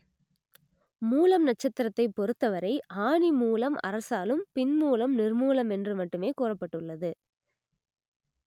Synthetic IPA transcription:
muːlɐmnɐt͡ʃːɐt̪ːɪɾɐt̪ːɐɪpːɔɾɯt̪ːɐʋɐɾɐɪʔaːɳimuːlɐmʔɐ̰ɾɐsaːlɯmpɪnmuːlɐmnɪrmuːlɐmɛndrɯmɐʈːɯmeːkuːrɐpːɐʈːɯɭːɐðɯ

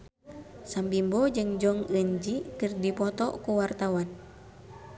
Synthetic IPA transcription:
sambimbɔd͡ʒɨŋd͡ʒɔŋəɲd͡ʒikɨrdipɔt̪ɔkuwart̪awan

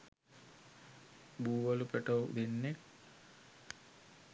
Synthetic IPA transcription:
buːʋɐlupeʈowd̪enːe

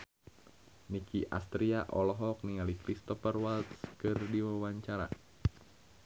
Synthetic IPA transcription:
nikiʔa̰st̪ɾiaʔɔlɔɦɔk̚niŋalikɾist̪ɔfərwalt̪skɨrdiwawaɲt͡ʃaɾa̰

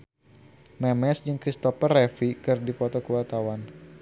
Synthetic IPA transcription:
mɛmɛsd͡ʒɨŋkɾist̪ɔfərefikɨrdipɔt̪ɔkuwart̪awan

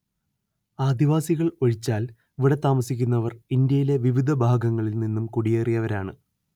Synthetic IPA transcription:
aːd̪iʋaːsiɣɐɭo̞ɻit͡ɕːaːl | ʋiɽɐt̪ːaːmɐsikʲːunːɐʋɐrind̪jɐjile̞ʋiʋid̪ʱɐbʱaːɡɐŋːɐɭilninːumkuɽijeːrijɐʋɐɾaːɳɨ

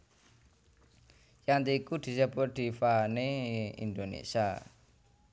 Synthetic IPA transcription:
jant̪̬ikud̪̥i̤səbɔrd̪̥i̤faneḭnd̪onḛsia

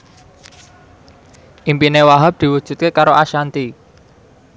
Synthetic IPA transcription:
ʔimpinewaɦap̚d̪̥i̤wu̥ʒ̥ṳt̪̚kekaɾoʔaʃant̪i

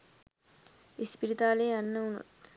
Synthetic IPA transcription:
espiɾit̪aːleːanːəunṵt̪

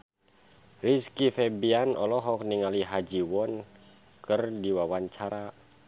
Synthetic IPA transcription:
riskifɛbianɔlɔɦɔk̚niŋaliɦad͡ʒiwɔn | kɨrdiwawaɲt͡ʃaɾa

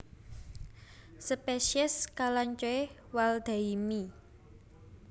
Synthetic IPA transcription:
səpeʃiɛskalaɲt͡ʃoe | wald̪̥a̤imi

